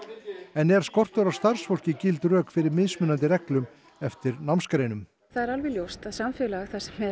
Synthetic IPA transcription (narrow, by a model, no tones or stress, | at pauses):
ɛnɛɾ̥skɔr̥t̪ʏɾawst̪ar̥sfɔl̥cɪcɪlt̪rœːkfɪɾɪɾmɪðsmʏnːant̪̬ɪrɛklʏm | ɛft̪ɪɾnawmskɾeːjnʏm | θaðɛɾalvɛljowst̪aðsamfʏlaɣθasɛmːɛ